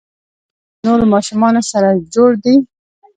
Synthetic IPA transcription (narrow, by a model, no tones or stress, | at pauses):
noɾmɑʃumɑnosaɾad͡ʒoɽd̪i